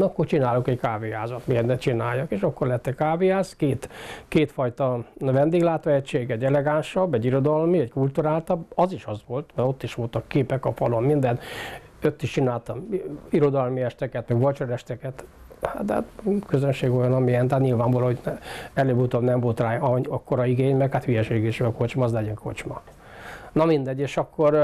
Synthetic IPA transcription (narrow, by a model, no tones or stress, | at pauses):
ɒkːort͡ʃinaːlukɛckaːviaːzɒt̪meːd̪ɛt͡ʃinaːjːɒkeːʃɒkːo̞rlɛɛt̪ːɛckaːviaːskeːt̪keːt̪fɒjt̪ɒʋɛnd̪eːɡlaːt̪ʋɒɛct͡ʃːeːɡɛɟɛlɛɡaːnʃɒbːɛɟiɾo̞d̪ɒlmiɛɟkult̪uɾaːlt̪ɒbɒziʃɒzʋo̞lt̪mɛɾo̞t̪ːiʃʋo̞lt̪ɒkːeːpɛkɒfɒlommind̪ɛn | øt̪ːiʃt͡ʃinaːlt̪ɒmiɾo̞d̪ɒlmiɛʃt̪ɛkɛt̪mɛɡvot͡ʃɒnɛʃt̪ɛkɛt̪ | ha̰t̪d̪t̪køzønʃeːɡo̞jɒnɒmiɛnt̪at̪ɲilvaːɱvɒlɒhoɟnɛløːbut̪omnɛɱvo̞lt̪raːɒɒkːoɾɒiɡeːɲmɛkhaːt̪hyjɛʃeːɡeːʃɛɒkot͡ʃmɒːzlɛɟɛŋko̞̰t͡ʃmɒ | nɒmind̪ɛɟːeːʃɒkːo̞r